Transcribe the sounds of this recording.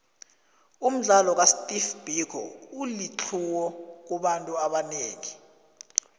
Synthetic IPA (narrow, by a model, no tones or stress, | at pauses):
um̩ɮalɔk̬astʼifb̥ʱikʰɔ̰ulit͡ɬʰuwɔk̬uɓantʼuaɓaneːŋi